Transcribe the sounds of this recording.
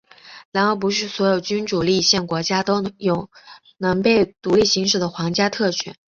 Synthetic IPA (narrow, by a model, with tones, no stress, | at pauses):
la˧˥no˥˩ʊp̬u˧˥ʂ̬ɻ̩˥˩swɔ˧˥jo˨˩ʊt͡ɕy˥nʈ͡ʂu˨˩li˥˧ɕjɛ˥˩nkwɔ˧˥t͡ɕja˥t̪o˥ʊjʊ˨˩ʊ | nɤ˧˥ŋpe˥˩ɪt̪u˧˥li˥˩ɕi˧˥ŋʂ̬ɻ̩˥˩d̪ə˦xwɑ˧˥ŋt͡ɕja˥t̪ʰɤ˥˩t͡ɕʰɛ̰˨˩˦n